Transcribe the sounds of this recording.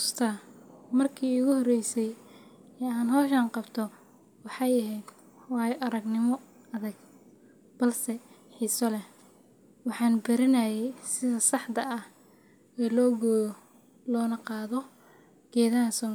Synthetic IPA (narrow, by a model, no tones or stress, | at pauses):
st̪ʰɐmɐrkʰiːʊɣʊhɔrɛjsɛj | ɛːaːnɦɔːʃaːnqɑbt̪ʰɔ | wɑħɑjɐɦɛjd̪ | wɑːjɔʔɐɾɐɡnɪmɔ | ɐðɐɡ | b̥ɐlsɛ | ħiːsɔlɛ | wɑħɑːnbɪɾɪnɐjɛjsɪðɐsɑħd̪ɐɐh | ɛːlɔːɡ | lɔːnɐqɑːðɔ | ɡ̥ɛːðaːsɔn